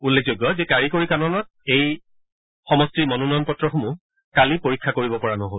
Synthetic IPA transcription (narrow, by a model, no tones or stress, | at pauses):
ulːek̚ʰzojɡjɔzɛkaɹikoɹikanɔnɔt | ej | xɔmɔstiɹmɔnunɔjɔnpɔtɹɔxomu | kalipoɹikʰːakoɹibɔpɔɹanɔɦol